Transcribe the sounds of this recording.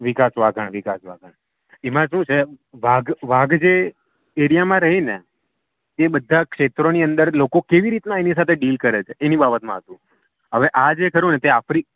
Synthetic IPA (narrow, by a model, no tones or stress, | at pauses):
ʋɪkasʋaɡʱəɳʋikasʋa̰ɡəɳ | emãʃũt͡ʃʰeʋaɡʋaɡd͡ʒe | eɾijamãɾəɦine | t̪ebəd̪ʱːakʃet̪ɾoniənd̪əɾlokokeʋiɾit̪naenis̬at̪ʰeɖilkəɾet͡ʃʰeʔenibabət̪mãɦət̪ũ | ɦəʋeʔad͡ʒekəɾũnet̪eafɾik